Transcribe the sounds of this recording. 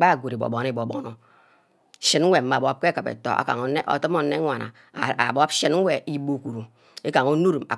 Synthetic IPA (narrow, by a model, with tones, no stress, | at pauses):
k͡pa˦a˨ɡʷo˨ɾi˨bo̰˨bo˨n˦˨bo˨bo̰˨˦no˨ | ʃi˦n̩˦we˨m̩˦ma˨bp̚ke˦kɨ˨pḛ˨to̰˨ʔa̰˨ka̰˨ŋ˨n˦ʔo̰˨tɨ˦m˦o˦nːe˦ŋʷa˨na̰˨ | a̰˨bɔ˦ʃi˦n̩˦we˨ʔi˦bo˦˨ku˨ɾu˨ | e˦ka˨ŋo˦nu˦ɾu˨ma̰˨